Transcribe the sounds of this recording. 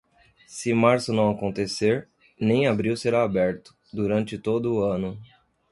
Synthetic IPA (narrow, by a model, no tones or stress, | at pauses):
sɪmaɾsʊnɐ̃w̃akõnt̪eseɾ | nẽj̃abɾiwseɾaːbɛɾt̪ʊ̥d̪uɾɐ̃nt͡ʃɪt̪od̪ʊɐ̃nʊ